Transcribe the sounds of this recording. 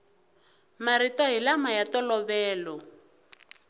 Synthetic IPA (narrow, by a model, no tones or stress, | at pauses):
maɾitɔɦilamajatɔlɔβɛːlɔ